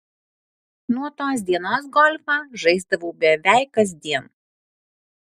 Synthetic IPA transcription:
nuɔt̪oːs̬d̪ʲiɛnoːs̬ɡɔlʲfɑːʒɐɪzd̪ɐʋoːbʲɛʋʲæˑɪkɐzʲd̪ʲiɛn

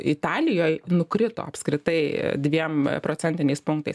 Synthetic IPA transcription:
ɪt̪ɑːlʲɪjoːjnʊkɾʲɪt̪o̰ːɐpskɾʲɪt̪ɐɪd̪ʲʋʲiɛmpɾoːt͡ssʲɛnt̪ʲɪnʲɛɪspʊŋk̚t̪ɐɪs

